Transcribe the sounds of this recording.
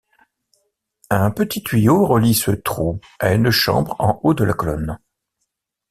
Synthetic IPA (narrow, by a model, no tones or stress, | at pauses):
ɛ̃pət̪it̪ɥijoʁəlisət̪χu | aynʃɑ̰̃bʁɑ̃ʔod̪əlakɔlɔ̰n